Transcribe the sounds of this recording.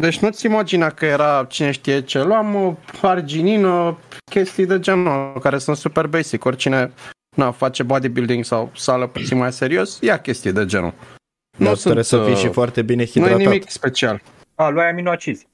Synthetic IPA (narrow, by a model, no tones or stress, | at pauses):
d̪e̞t͡ʃʲnut̪sʲimad͡ʒinakəje̞ɾat͡ʃine̞ʃt̪ije̞t͡ʃe̞luaməard͡ʒininəkʲe̞st̪ijd̪e̞d͡ʒe̞nkaɾe̞sunt̪supe̞rbe̞jsiko̞rʲt͡ʃine̞ | nafat͡ʃe̞bad̪ibild̪iŋɡsawsaləput̪sinmajse̞ɾio̞sjakʲe̞st̪ijed̪e̞d͡ʒḛnṵ | nusunesəiʃifoart̪ebinexinuenimikspe̞t͡ʃial | aluajaminat͡ʃiz